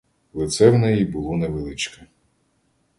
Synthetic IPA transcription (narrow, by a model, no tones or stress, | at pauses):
lˠɪt̪sɛwnɛjibʊlˠɔnɛʋelˠɪt͡ʃkɐ